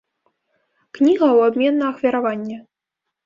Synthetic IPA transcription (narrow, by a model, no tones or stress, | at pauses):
knʲiɣɐwabʲmʲɛnːɐɐxvʲaɾavanʲːɛ